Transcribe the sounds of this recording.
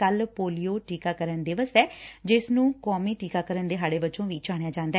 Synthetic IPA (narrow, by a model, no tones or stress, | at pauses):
əlpoːlijoːʈiːkaːkəɾənd̪ɪʋəsɛːd͡ʒɪsnũːkɔːmĩːʈiːkaːkəɾənd̪eːɦaːɽeːbət͡ʃõːʋiːt͡ʃaːɽ̃ejaːd͡ʒãːnd̪aː